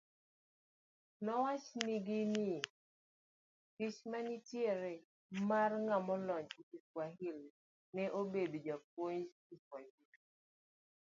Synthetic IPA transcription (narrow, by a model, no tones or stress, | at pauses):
nɔwat͡ʃniɡini | kit͡ʃmanitjeɾe | marŋamɔlɔɲikikwaɦil | nɛʔobedd͡ʒɔp̚woɲd͡ʒ | ikwahil